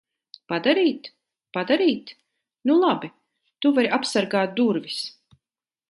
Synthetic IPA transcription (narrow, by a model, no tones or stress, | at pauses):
pad̪aɾiːt̪ | pad̪aɾiːt̪ | nulˠabi | t̪uvaɾapsaɾɡaːt̪̚d̪uɾvis